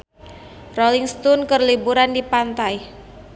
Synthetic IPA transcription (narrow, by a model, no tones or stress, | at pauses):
roliŋst̪unkərlibuɾandipant̪aj